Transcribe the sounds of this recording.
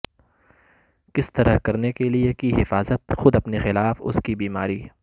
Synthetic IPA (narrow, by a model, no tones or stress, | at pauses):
kɪst̪ɐɾəɦkɐɾnekeliekiɦɪfaːzət̪xʊd̪ɐpnexɪlaːfʊ̰skibiːmaːɾiː